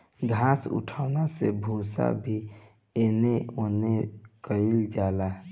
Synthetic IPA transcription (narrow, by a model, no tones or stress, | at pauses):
ɡʱasṵʈʰaʊnasebʱusa̰bʱi | eneonekəɾild͡ʒaːla